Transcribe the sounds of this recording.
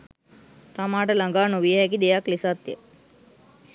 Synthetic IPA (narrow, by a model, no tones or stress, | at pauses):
t̪amaːʈəlaŋɡaːnoʋijəɦɛk̬id̪ejaklisat̪jə